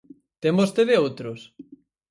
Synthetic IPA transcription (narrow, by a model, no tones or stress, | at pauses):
t̪embost̪eðeowt̪ɾʊs